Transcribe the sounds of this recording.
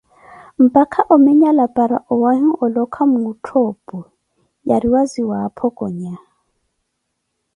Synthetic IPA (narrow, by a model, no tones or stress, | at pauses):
m̩pʼakʰaʔɔmɪɲalapʼaɾaʔɔwahiɔlɔkʰamutʰɔːpʼɔ | jaɾiwaziwapʰɔkʼɔɲa